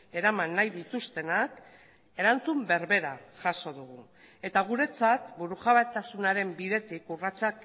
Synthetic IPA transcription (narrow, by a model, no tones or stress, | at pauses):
e̞ɾamanːajðit̪ust̪e̞nak | e̞ɾant͡sumbe̞ɾβe̞ɾaʝaso̞ðuɣu | e̞t̪aɣ̞uɾe̞t͡sat̪buɾuxaβat̪asunaɾe̞mbiðe̞t̪ikurat͡sak